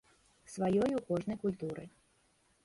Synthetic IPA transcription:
svajɔjukɔʐnɐjkulʲt̪uɾɨ̰

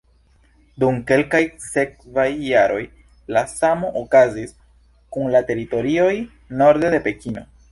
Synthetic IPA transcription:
dumke̞lkajse̞k̚vajːaɾo̞j | lasamo̞ʔokazis | kunlate̞ɾito̞ɾio̞j | no̞ɾde̞de̞pe̞kino̞̰

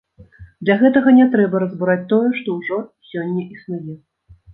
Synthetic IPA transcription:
d̪lʲaɣɛt̪ɐɣɐnʲɛt̪ɾɛbɐɾɐzbuɾat͡sʲt̪ɔjɛʂt̪ɔwʐɔsʲɔnʲːɛʔisnujɛ

